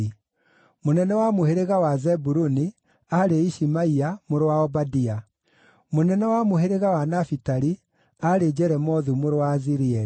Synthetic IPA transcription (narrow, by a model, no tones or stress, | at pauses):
monɛnɛwamoheɾeɣawazɛbuɾuni | aɾeiʃimaiamoɾowaɔbadia | monɛnɛwamoɦeɾeɣawanafitaɾi | aɾed͡ʑɛɾɛmɔðumoɾwaziɾiɛ